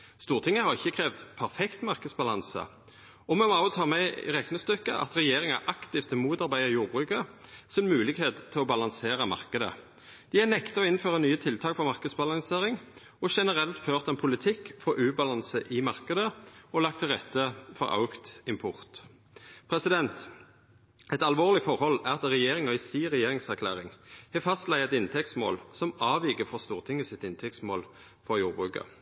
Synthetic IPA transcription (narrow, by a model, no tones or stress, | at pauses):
st̪uːʁt̪ʰɪŋːəhɑʁɪçːəkʰʁeːʋd̪pʰæʁfɛkt̪mɑʁkəd̪sbɑlɑnsə̰ | ɔmɛmɔɑʊt̪ʰɑːmɛ̰ʁɛknəst̪ʏkːə̰ʔɑ̰t̪ʁɛjeːʁɪŋɑ̰ʔɑkt̪ɪft̪ʰːɪmuːt̪ɑʁbæɪəʁjuːʁbʁʉːkəsɪnmʉːlɪɡheːt̪ʰːɪlɔbɑlɑnseːʁəmɑ̰ʁkəd̪ə̰ | d̪̥ɪænɛkt̪əɔɪnføːʁənyːət̪ʰɪlt̪ʰɑːkfɔʁmɑʁkəd̪sbɑlɑŋseːʁɪŋ | ɔʃɛnəʁɛlt̪føːʁt̪ɛnpʰʊlɪt̪ʰɪkːfɔɾʔʉːbɑlɑnsəʔɪmɑʁkəd̪əɔlɑkt̪ʰɪlʁɛt̪ːəfɔ̰ʁʔɑ̰ʊɡt̪ɪmpʰʊʁt̪ | pʰʁɛsɪd̪ɛnt̪ | ʔɛɪt̪ɑlʋoːʁlɪfɔʁhɔlæʁɑt̪ʁɛjeːʁɪŋɔɪsiːʁɛjeːʁɪŋsæʁkʰlæ̰ːʁɪŋhɛfɑst̪læɪɛt̪ɪnt̪ʰɛk̚t̪smo̰ːlsɔmɑːʋiːɡəfɔʁst̪uːʁt̪ʰɪŋːəsɪt̪ːɪnt̪ʰɛkt̪smo̰ːl | fɔʁjuːʁbʁʉːkə̰